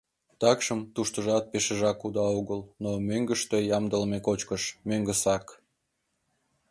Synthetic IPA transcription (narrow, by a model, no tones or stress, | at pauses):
t̪ɑkʃəmt̪uʃt̪əʒɑt̪̚peʃəʒɑkud̪ɑuɣəlnomøŋɡəʃt̪ejɑmd̪əlmekot͡ɕkəʃmøŋɡəsɑk